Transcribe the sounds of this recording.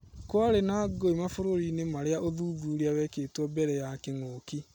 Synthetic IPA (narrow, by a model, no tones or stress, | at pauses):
kwaɾenaːɡoimafoɾoɾinemaɾeaʔoðuːðuːɾiawɛkeːtwɔbɛɾɛjakeŋoːki